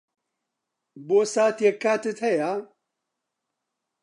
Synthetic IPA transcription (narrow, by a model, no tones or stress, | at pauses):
bosaːt̪jekːaːt̪ɨt̪ʰɐja